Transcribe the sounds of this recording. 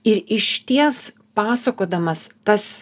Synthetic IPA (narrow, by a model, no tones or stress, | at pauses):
ɪɾɪʃʲt̪ʲiɛs | pɑːsɐkoːd̪ɐmɐst̪ɐs